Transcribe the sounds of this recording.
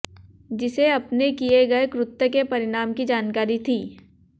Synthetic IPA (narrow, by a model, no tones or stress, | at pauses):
d͡ʒɪseɐpnekieɡɐekɾʊt̪ːəkepɐɾɪɽaːmkid͡ʒaːnkaːɾit̪ʰiː